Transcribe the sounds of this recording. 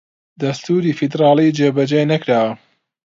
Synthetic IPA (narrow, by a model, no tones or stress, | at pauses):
d̪ɐst̪uːɾiːfid̪ɾɑːlˠid͡ʒeːbɐd͡ʒenɐkɾaːwɐ